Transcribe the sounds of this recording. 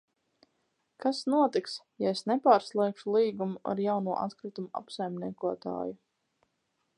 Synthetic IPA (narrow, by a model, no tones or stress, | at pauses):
kasnuɔt̪iks | jaesnɛpaːɾslˠɛːkʃulˠiːɡumua̰ɾjawnuɔʔat̪kɾɨt̪umua̰psajmnʲiɛkuɔt̪a̰ːju